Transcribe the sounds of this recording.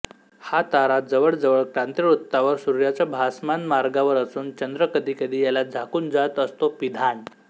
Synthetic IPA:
hat̪aɾad͡zəʋəɭd͡zəʋəɭkɾant̪ɾiɾut̪ːaʋəɾsuɾjat͡ɕabʱasmanmaɾɡaʋəɾəsuːnt͡ɕənd̪ɾəkəd̪ʱiːkəd̪ʱiːjalad͡zʱakuːnd͡zat̪əst̪opid̪ʱaɳ

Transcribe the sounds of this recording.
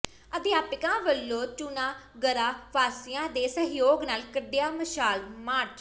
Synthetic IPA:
əd̪jaːpɪkãːʋəlːoːt͡ʃunãː | ɡəɾaːʋaːsɪjãːd̪eːsəɦjoːɡnaːlkəɖɪjaːməʃaːlmaːt͡ʃ

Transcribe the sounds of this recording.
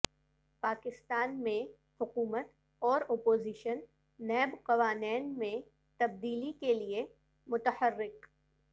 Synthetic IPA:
paːkɪst̪aːnmẽ | hʊkuːmət̪ | ɔːɾoːpoːzɪʃənː | ɛːbqɐʋaːnɛːnmẽ | t̪ɐb̚d̪iːlikelie | mʊt̪əhəɾːɪk

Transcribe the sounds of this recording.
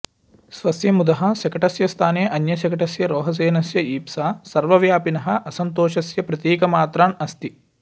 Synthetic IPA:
sʋɐsjɐmud̪ɐɦɐ̆ʃɐkɐʈɐsjɐst̪ʰaːneːʔɐnjɐʃɐkɐʈɐsjɐɾoːɦɐs̬eːnɐsjɐiːpsaːsɐɾʋɐʋjaːpinɐɦɐ̆ʔɐsɐnt̪oːʃɐsjɐpɾɐt̪jeːkɐmaːt̪ɾaːɳɐst̪i

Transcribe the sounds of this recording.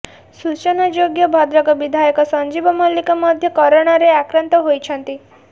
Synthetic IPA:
sut͡ʃɔnad͡ʒoɡjɔbʱɔd̪ɾɔkɔbid̪ʱajɔkɔsɔɲd͡ʒibɔmɔlikɔmɔd̪ʱjɔkɔɾɔɽ̃ɔɾeakɾɔnt̪ɔɦojt͡ʃʰɔnt̪i

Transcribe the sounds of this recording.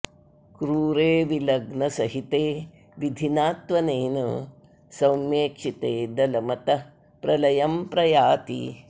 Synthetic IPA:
kɾuːɾeːʋilɐɡnɐsɐɦit̪eː | ʋid̪ʱinaːt̪ʋɐneːnɐ̰ | sɐwmjeːkʂit̪eːd̪ɐlɐmɐt̪ɐ | pɾɐlɐjɐmpɾɐjaːt̪ḭ

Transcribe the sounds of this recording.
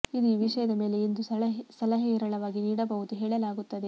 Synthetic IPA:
id̪iʋiʂɐjɐd̪ɐme̞ːle̞ind̪usɐlɐɦiːɾɐɭɐʋaːɡiniːɽɐbɐɣut̪uɦeːɭɐlaːɡut̪ːɐd̪e̞

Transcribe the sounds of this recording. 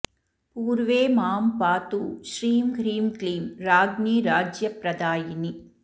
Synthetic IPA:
puːɾʋeːmaːmpaːt̪uʃɾiːmɡʱɾiːmkliːmɾaːɡniːɾaːd͡ʒjɐpɾɐd̪aːjini

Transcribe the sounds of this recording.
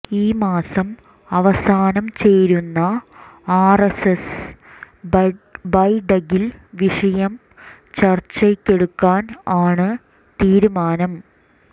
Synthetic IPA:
iːmaːsɐm | ɐʋɐsaːnɐmt͡ɕe̞jɾunːɐaːreses | bɐjɖɐɣilʋiʂɐjɐm | t͡ɕɐrt͡ɕːɐkʲːe̞ɽukːaːnaːɳɨ | t̪iːɾumaːnɐm

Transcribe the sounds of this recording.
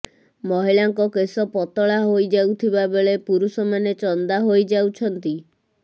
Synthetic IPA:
mɔɦiɭaŋkɔkesɔpɔt̪ɔɭaɦojd͡ʒawt̪ʰibabeɭepuɾusɔmanet͡ʃɔnd̪aɦojd͡ʒawt͡ʃʰɔnt̪i

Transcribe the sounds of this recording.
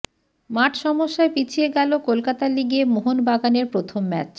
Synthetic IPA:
maʈʰʃɔmoʃːaepit͡ɕʰieɡɛlokolkat̪aliɡemoɦonbaɡaneɾpɾot̪ʰomːɛt͡ɕ

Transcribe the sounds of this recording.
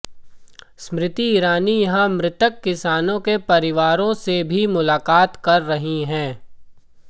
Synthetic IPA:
smɾɪt̪iːɾaːnijɐɦãmɾɪt̪əkːɪsaːnõkepɐɾɪʋaːɾõsebʱimʊlaːkaːt̪kɐɾːɐɦiɦɛ̃ː

